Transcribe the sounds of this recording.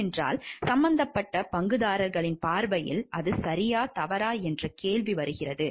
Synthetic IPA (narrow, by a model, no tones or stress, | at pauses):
ndra̰ːlsɐmbɐnd̪ɐpːɐʈːɐpɐŋɡɯðaːɾɐɾɣɐɭɪnpaːɾbɐjɪ̰lʔɐðɯsɐɾɪjaːt̪ɐʋɐɾaːɛndrɐkeːɭʋiʋɐɾɯɣɪrɐðɯ